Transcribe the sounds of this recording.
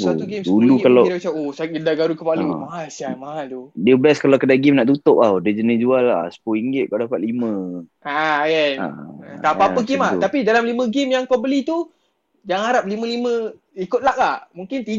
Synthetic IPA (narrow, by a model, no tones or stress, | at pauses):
sat̪uɡemsdulukalaaisaosaədaɡaɾukəpalumaɦalsiamaɦalt̪udiəbəlaskalawkədaɡɪmnaʔt̪ut̪ʊʔ̚adəd͡ʒənid͡ʒuala̰sə̥poiŋɡɪt̪̚kadapat̪̚limə̃ | ajaa̰t̪apaəɡɪmat̪apidalamlimə̃ɡɪmjaŋkowbəlit̪u | d͡ʒaŋaɾap̚limə̃limə̃ | ikʊt̪̚laʔlahmũŋkɪnt̪i